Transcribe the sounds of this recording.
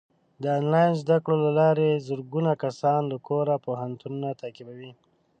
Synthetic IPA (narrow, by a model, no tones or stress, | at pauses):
d̪əɑnlɑjnzd̪akɽolalɑɾezəɾɡunakasɑnlakʰoɾapoɦant̪ununat̪akibawi